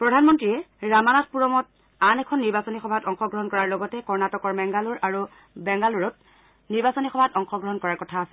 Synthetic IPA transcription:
pɹɔdʱanmɔntɹijɛ | ɹamanat̚puɹɔmɔt̚ | anɛkʰɔnːiɹbasɔnixɔbʱatɔŋxɔɡɹɔɦɔnkɔɹaɹlɔɡɔtɛkɔɹnatɔkɔɹbɛŋɡaluɹʔaɹu | bɛŋɡaluɹɔt̚ | niɹbasɔnixɔbʱatɔŋxɔɡɹɔɦɔnkɔɹaɹkɔtʰaːsɛ̥

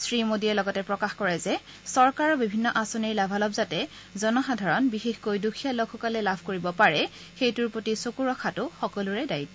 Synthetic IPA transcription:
sɹimodiɛlɔɡɔtɛpɹɔkaxkɔɹɛzɛ | sɔɹkaɹɔbibʱinːɔʔasoniɹlabʱalɔbzatɛ | zɔnɔxadʱaɹɔnbixexkojdukʰijaloɡʰɔkalɛlabʱkoɹibɔpaɹɛ | xejtʊɹpotisokuɹɔkʰatʊxɔkɔluɹɛdajt̚

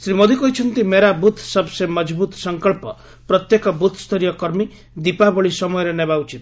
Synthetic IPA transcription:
sɾimod̪ikɔɦit͡ʃʰɔnt̪imeɾabut̪ʰsɔbsemɔd͡ʒbut̪ɔ̥sɔŋkɔɭpɔ̰ | pɾɔt̪jekɔbut̪ʰst̪ʰɔɾijɔkɔɾmi | d̪ipabɔɭisɔmɔjɔɾenebaut͡ʃit̪

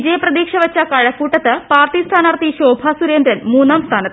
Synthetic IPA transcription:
d͡ʑɐjɐprɐd̪iːkʂɐʋɐt͡ɕːɐkɐɻɐkːuːʈːɐt̪ːɨpaːrt̪ist̪ʰaːnaːrt̪iɕoːbʱaːsuɾeːnd̪ɾɐnmuːnːaːmst̪ʰaːnɐt̪ː

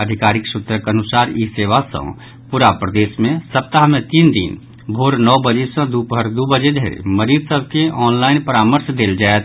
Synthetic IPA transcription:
əd̪ʱɪkaːɾɪksʊt̪ɾəkənʊsaːɾiseːʋasə̰̃ | puɾapɾəd̪eːsmẽsəp̚t̪aɦmẽt̪iːnd̪ḭn | bʱoːɾnɔːbəd͡ʒesə̃d̪upbʱəɾd̪ubəd͡ʒed̪ʱɾḛməɾiːd̪səb̚ʱkeʔɔːnlaːɪnpəɾaːməɾsd̪eːld͡ʒaːet̪

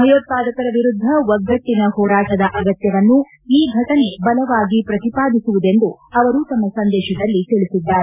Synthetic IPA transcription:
ɐjoːt̪̚paːd̪ɐkɐɾɐʋiɾud̪ʱːɐʋɐɡːɐt̪ːinɐhɔːɾaːʈɐd̪ɐʔɐɡɐt̪jɐʋɐnːu | iːɡʱɐʈɐne̞bɐlɐʋaːɡipɾɐt̪ipaːd̪isuʋud̪e̞nd̪uɐʋɐɾuːt̪ɐmːɐsɐnd̪ɛːʃɐd̪ɐlːit̪iɭisid̪ːaːɾee

